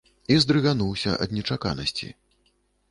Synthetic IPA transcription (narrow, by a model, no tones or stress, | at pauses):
izd̪ɾɨɣanuwsʲɐ̰ʔɐ̰d̪nʲɛt͡ʂaka̰nɐsʲt͡sʲḭ